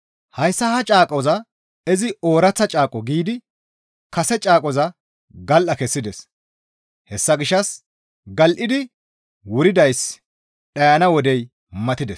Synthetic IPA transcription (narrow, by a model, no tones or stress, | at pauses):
hɐjsːɐhɐt͡ʃʼaːkʼɔzɐ | ɛzɪo̞ːɾɐt͡sːɐt͡ʃʼaːkʼɔɡiːd̪ɪ | kɐsɛt͡ʃʼaːkʼɔzɐ | ɡɐlʔɐkɛsːɪd̪ɛs | hɛsːɐɡɪʃːɐs | ɡɐlʔɪd̪ɪ | wʊɾɪd̪ɐjs | ɗɐjɐnɐwɔd̪ɛj | mɐt̪ɪd̪ɛs